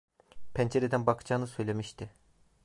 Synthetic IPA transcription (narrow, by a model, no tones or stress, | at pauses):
pʰænd͡ʒeɾed̪ænbakʰɯ̥d͡ʒaːɯnɯsø̞jlʲe̞miʃt̪ʰɪ